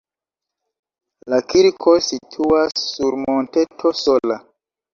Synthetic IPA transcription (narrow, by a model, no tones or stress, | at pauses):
lakiɾkʰo̞sitʰuasːuɾmonte̞tʰo̞sola